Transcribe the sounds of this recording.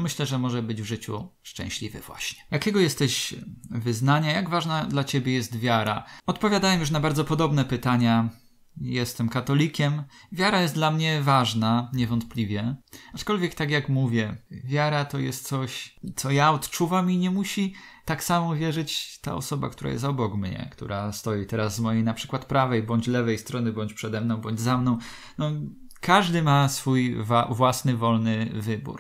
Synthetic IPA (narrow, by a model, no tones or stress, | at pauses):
mɘɕlɛʐɛmɔʐɛbɘd͡ʑvʐɘt͡ɕṵʂt͡ʂɛ̰̃w̃ɕlʲḭvɘ̰vwa̰ɕɲɛ̥jakʲɛɡɔjɛst̪ɛɕvɘznaɲajaɡvaʐnad̪lat͡ɕebʲjɛjɛst̪vʲjaɾa̰ɔt̪pɔvʲjad̪awɛmjuʂ̬nabaɾd̪zɔpɔd̪ɔbnɛpɘt̪aɲa | jɛst̪ɛmkat̪ɔlʲikʲɛmvʲjaɾajɛst̪d̪lamɲɛvaʐnaɲɛvɔnt̪̚plʲivʲjɛat͡ʂkɔlvʲjɛkt̪akjakmuvʲjɛvʲjaɾat̪ɔjɛst̪̚t̪sɔɕt̪sɔjaɔt̪t͡ʂuvamiɲɛmuɕit̪aksamɔvʲjɛʐɘt͡ɕt̪a̰ɔ̰sɔba̰kt̪uɾa̰jɛ̰s̬t̪ɔbɔɡmɲɛ̰kt̪ṵɾast̪ɔjit̪ɛɾazːmɔjejnapʂɘ̥kwat̪pɾavɛjbɔɲd͡ʑlɛvɛjst̪ɾɔnɘbɔɲt͡ɕpʂɛd̪ɛmnɔ̃w̃bɔɲd͡ʑzamnɔ̃w̃ | nɔ | kʰaʐd̪ɘmasfujvwasnɘvɔlnɘvɘbṵɾ